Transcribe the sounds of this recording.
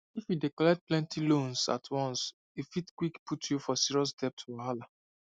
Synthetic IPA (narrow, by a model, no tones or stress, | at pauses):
ifidekɔlɛt̚plɛ̃ntʰilõnsa̰tʰwɔ̃ns | ifitkwikpʰutjufɔsiɹiɔs̬dɛp̚tʰahala